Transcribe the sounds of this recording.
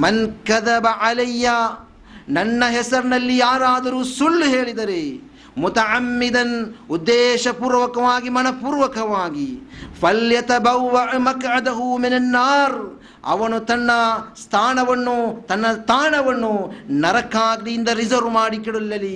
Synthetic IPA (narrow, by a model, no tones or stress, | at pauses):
mɐnkɐðɐbɐʕalɐjːa | nɐnːɐɦɛsɐɾnɐlːijaːɾaːd̪ɐɾuːsulːɦeːɭid̪ɐɾe | mut̪ɐʕamːid̪ɐnud̪ːeːʃɐpuːɾʋɐkɐʋaːɡimɐnɐpuːɾʋɐkɐʋaːɡifɐljɐt̪ɐbɐwːɐʕmɐkʕɐd̪ɐɦuminɐnːaːɾ | ɐ̰ʋɐnut̪ɐnːɐst̪ʰaːnɐʋɐnːut̪ɐnːɐst̪ʰaːnɐʋɐnːunɐɾɐkaːɡd̪iind̪ɐɾizɐɾmaːɽikiɽulːɐli